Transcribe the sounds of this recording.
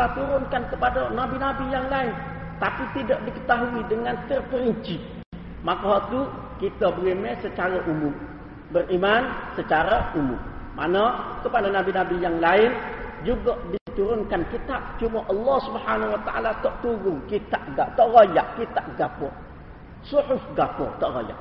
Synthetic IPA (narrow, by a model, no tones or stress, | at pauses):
at̪uɾʊnkankəpadanabinabijaŋlaɪn | t̪apit̪idaʔdikə̥t̪aɦuidəŋant̪ərpəɾiɲt͡ʃi | makɔɦt̪u | kit̪əbəɾimɛsət͡ʃaɾaʔumʊm | bərimansət͡ʃaɾaumʊ̰mma̰nəkəpadanabinabijaŋlaɪnd͡ʒuɡaʔdit̪uɾʊnkankit̪ap̚t͡ʃumaʔɑlːɔhsubhanawat̪aʔa̰lat̪ɔʔt̪uɾʊŋkit̪aʔ̚ɡaʔt̪ɔʔrajaʔkit̪aʔ̚ɡapʊr | sʊħʊfɡapʊrt̪ɔʔra̰ja̰ʔ